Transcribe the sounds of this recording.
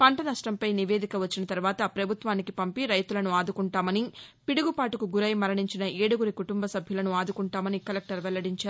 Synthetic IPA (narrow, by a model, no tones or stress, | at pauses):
pɐɳʈɐnɐʂʈɐmpɐjniʋe̞ːd̪ikɐʋɐt͡ʃːinɐt̪ɐɾuʋaːt̪ɐpɾɐbʱut̪ʋaːnikipɐmpiɾɐjt̪ulɐnuaːd̪ukuɳʈaːmɐnipiɽuɡupaːʈukuɡuɾɐjmɐɾɐɳiɲt͡ʃinɐʔeːɽuɡuɾikuʈumbɐsɐbʱjulɐnuaːd̪ukuɳʈaːmɐnikɐlek̚ʈɐɾʋɛlːɐɽiɲt͡ʃaːɾu